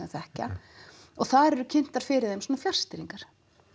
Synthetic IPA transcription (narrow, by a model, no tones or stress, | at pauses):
θɛhca̰ | ɔɣθaðɾɛɾʏcʰɪn̥t̪aɾ̥fɪɾɪðejmsoːnafjar̥st̪ɪɾiŋkaɾ̥